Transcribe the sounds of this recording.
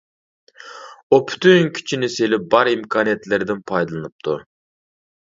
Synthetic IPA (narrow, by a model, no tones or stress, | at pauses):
upʰy̥t̪ʰynkʲʰi̥t͡ʃʰinɪselɪp̚bɑɾimkʰɑːnijɛt̪lɪɾd̪ɪnpʰɑjd̪ɨlˠɨnɨp̚t̪ʰu